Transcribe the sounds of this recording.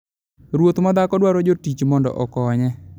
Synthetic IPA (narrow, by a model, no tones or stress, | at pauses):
ɾwot̪mad̪akɔdwaɾɔd͡ʒotit͡ʃmɔndɔ̰ʔɔkɔɲɛ